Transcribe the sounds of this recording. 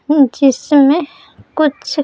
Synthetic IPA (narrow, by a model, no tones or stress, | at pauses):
d͡ʒɪsmẽ | kʊt͡ʃʰ